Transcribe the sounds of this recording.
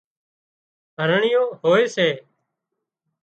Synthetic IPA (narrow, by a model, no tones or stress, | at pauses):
ɦəɾɳɪjõːhoːeːseː